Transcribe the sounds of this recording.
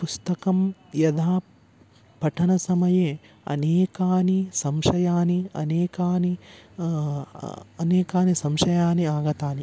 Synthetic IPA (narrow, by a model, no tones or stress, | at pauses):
pust̪ɐkɐmjɐd̪ʱaː | pɐʈʰɐnɐsɐmɐje | ɐ̰neːkaːnisɐmʃɐjaːniɐ̰neːkaːni | ɐneːkaːnisɐmʃɐjaːniaːɡɐt̪aːni